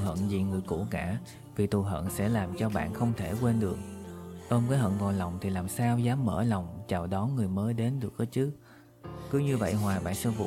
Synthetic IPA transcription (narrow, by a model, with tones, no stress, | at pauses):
ɦə̰˧˨nzi˨˩ŋɨ˨˩əjkṵ˧˩kaː˧˩ | vi˨˩t̪u˨˩ɦə̰˧˨nsɛ̰˧˥laː˨˩mt͡ɕɔ˧ɓa̰ː˧˨nxə˧wŋ͡mt̪ʰe˧˩kwe˧nɗɨ˨˩ək̚ʔəː˧mkaː˨˦jhə̰˧˨nvɔː˨˩lə˨˩wŋ͡mt̪ʰi˨˩laː˨˩msaː˧wzaː˨˦mːə̰ː˧˩lə˨˩wŋ͡mt͡ɕaː˨˩wɗɔ˨˦nŋɨ˨˩əjməː˨˦jɗe˨˦nɗɨ˨˩ək̚ʔəː˨˦t͡ɕɨ˦˥k̚ | kɨ˨˦ɲɨ˧və̰˧˨jɦwaː˨˩ɓa̰ː˧˨nsɛ˧˥vṵ˧˨